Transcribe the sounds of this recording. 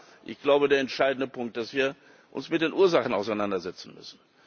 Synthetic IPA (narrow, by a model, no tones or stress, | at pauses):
ʔɪ̰çɡ̥laʊbədeːɐɛntʃaɪdn̩dəpʰʊŋk̚t̚d̥asv̥iːɐ | ʔʊ̰nsmɪt̚d̥eːnʔuːɐzaχn̩a̰ʊsaɪnandɐzɛt͡sn̩mʏ̰sn̩